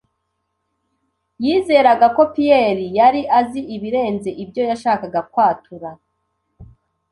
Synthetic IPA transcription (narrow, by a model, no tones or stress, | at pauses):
jiːze̞ːɾaɡako̞pijeɾijaɾiʔaziʔiβiɾe̞ːnze̞ʔibjo̞jaʃaːkaɡakwaːtuɾa